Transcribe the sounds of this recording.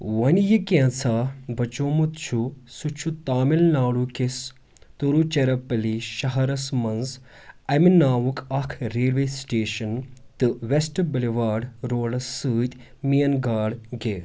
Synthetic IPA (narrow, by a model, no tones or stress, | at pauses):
wɐnjikʲẽːt͡sʰaːbɐt͡ʃoːmut̪t͡ʃʰusut͡ʃʰut̪aːmilnaːɽuːkes | t̪uɾut͡ʃɐɾɐpɐliʃɐɦɐɾɐsmɐnz | ɐminaːwukʰɐkʰɾeːlʋeːsʈeːʃɐnt̪ɨʋesʈbɐliʋaːɖɾoːlɐsːɨːt̪ʲ | mijɐnɡaːɖɡeː